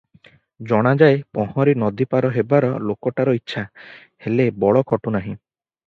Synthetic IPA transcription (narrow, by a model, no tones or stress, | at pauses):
d͡ʒɔɽ̃ad͡ʒaepɔhɔɾinɔd̪ipaɾɔɦebaɾɔlokɔʈaɾɔitːʃʰa | helebɔɭɔkʰɔʈunaɦĩ